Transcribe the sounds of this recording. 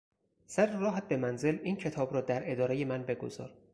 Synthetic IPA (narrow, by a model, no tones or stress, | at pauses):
sæɾrɒːɦæt̪̚be̞mænze̞liːncʰe̞t̪ʰɒːbɾɒːd̪æɾe̞d̪ɒːɾe̞je̞mænbe̞ɡo̰zɒ̰ːɾ